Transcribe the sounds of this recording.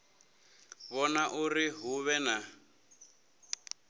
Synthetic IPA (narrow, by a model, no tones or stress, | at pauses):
βɔnaʔuriɦuβɛna